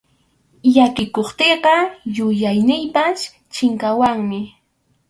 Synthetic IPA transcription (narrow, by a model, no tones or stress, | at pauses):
jakɪkoχt̪eqɑjʊjajnɪjpas | t͡ʃɪŋkawaŋmɪ